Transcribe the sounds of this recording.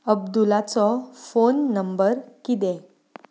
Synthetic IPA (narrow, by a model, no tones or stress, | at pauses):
əb̚d̪ulat͡sɔfonːəmbəɾkid̪ɛ̃